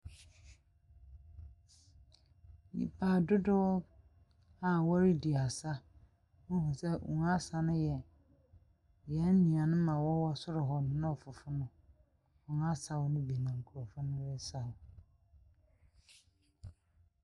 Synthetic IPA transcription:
nḭ̃˨pʰaː˨dʊ˦dʊ˦ɔ˦ | a˨wɔ˦ɾɪ˦di˨a˨sa˦ | ʊ˦fa˨sɛ˦ʔṵ̃˨ŋ˦a˦sa˨nʊ̃˦jɛ˨ | jɛ˨˦n˦nĩ˨a˨nʊ̃˦mã˨wɔ˦wɔ˦sʊ˦ɾʊ˨ɦɔ˦nʊ̃˨˦nã˦ɔ˨fʊ˨fʊ˦nʊ̃˦ | ʊ̃˨ŋ˦a˦sa˨wʊ˦nʊ̃˦bi˨nã˨ŋ̩˨kʰu˨ɔ˨fʊ˦nʊ̃˦wɛ˦sa˨ʊ˨

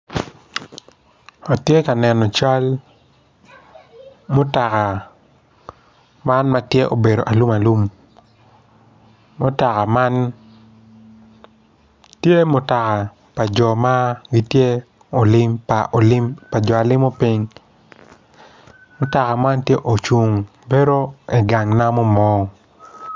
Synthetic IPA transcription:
o˨tje˦ka˨nɛ˨nɔ˨t͡ʃa˦l | mʊ˦ta˨ka˨ | ma˦nma˦tje˦ʔo̰˨be˨ɾo̰˨ʔa˨lu˦ma˨lu˦m | ʊ˦ta˨ka˨ma˦n | tje˦mʊ˨ta˨ka˨ | pa˨d͡ʒɔ˨ma˦ɡi˦tje˦ | o˨lɪ˦mpa˨ʔo˨lɪ˦mpa˨d͡ʒɔ˨a˨lɪ˦mo˦pi˦ŋ | mʊ˦ta˨ka˨ma˦ntje˦ʔo˨t͡ʃu˦ŋ | be˦ɾo˦i˨ɡa˨ŋna˦mɔ˦mɔː˦

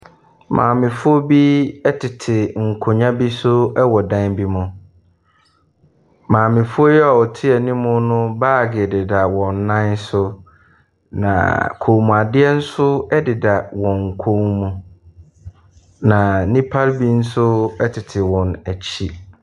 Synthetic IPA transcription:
mʔã̰ː˨mɪ̃˨fʊ˦ɔ˦bi˦ɛ˦tʰɪ˨tʰɪ˨ŋ̩˨kʰo˨ɲã˦bi˦sʊ˦ɛ˦wɔ˨dã˦nbi˦mʊ̃˨ | mãː˨mɪ̃˨fʊ˦ɔ˦jɛ˦a˨wɔ˨tʰɪ˦ɛ˨nĩ˦mʊ̃˦nʊ̃˦baː˦˨ɡɪ˨dɪ˨da˨wɔ̃˨nː˦ã˦nsʊ˦ | nã̰˨kʰo˨mũ˨a˨dɪ˦ɛ˦n̩˦sʊ˦ɛ˦dɪ˨da˨wɔ̃˨ŋ̩˨kʰõ˦ŋmũ˦ | nã˨nĩ˦pʰa˦ɾbi˦n̩˦sʊ˦ɛ˦tʰɪ˨tʰɪ˨wɔ̃˨næ˨t͡ɕʰi˦

